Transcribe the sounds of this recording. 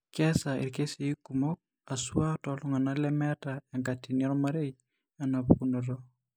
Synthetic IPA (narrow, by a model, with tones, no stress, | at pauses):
kɛ˦sa˨ḛ˨ɾke˦si˨˦ku˨mo˦k̚ | a˨sua˦tɔlɔŋa˨na˦lɛ˦mɛ˦taɛ˨ŋka˨ti˨nia˦ɾɔ˦ma˦ɾe˦i | a˨na˨βuku˦nɔ˨ɾɔ˦